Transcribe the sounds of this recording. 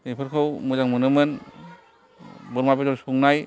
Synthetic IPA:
nepʰɯɾkʰɯwmuzaŋmɯnɯmɯn | bɯɾmabezɔɾsuŋnaj

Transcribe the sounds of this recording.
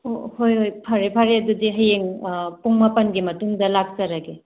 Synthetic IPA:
ohojɦojpʰaɾepʰaɾeɐdudiɦɐjeŋpuŋmɐpɐnɡimɐtuŋdɐlak̚t͡ʃɐɾɐɡe

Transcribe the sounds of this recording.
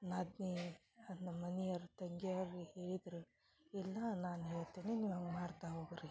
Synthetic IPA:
naːd̪ni | ɐnːɐmɐniɐɾt̪ɐŋɡealiheːɭid̪ɾu | ɛlːɐnaːnɦeːɭt̪eːneniːʋɦɐŋɡmaːɽt̪aɦoːɡuɾi

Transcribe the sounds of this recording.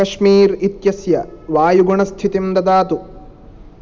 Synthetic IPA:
ɐʃmiːɾit̪jɐsjɐʋaːjuɡuɳɐst̪ʰit̪imd̪ɐd̪aːt̪u

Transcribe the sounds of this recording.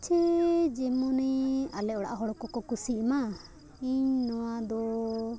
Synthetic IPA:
t͡ʃʰɛd͡ʒɛmɔnɛalɛʔɔɽa̰ʔɦɔɽɔkɔkɔkusima | iɲnɔwad̪ɔ

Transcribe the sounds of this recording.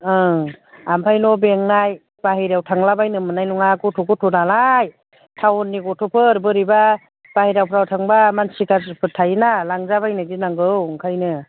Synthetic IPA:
ɯ | ampʰajnɔbeŋnaj | baɦijɾawtʰaŋlabajnɯmɯnajnuŋakɔtʰɔɡɔtʰɔnalaj | tʰawɔnːiɡɔtʰɔpʰɯɾbɯɾiba | b̥ahijɾawpʰɾawtʰaŋbamansikʰazpʰɯtʰajnalaŋzabajnɯdinaŋɡɯwŋkʰajnɯ

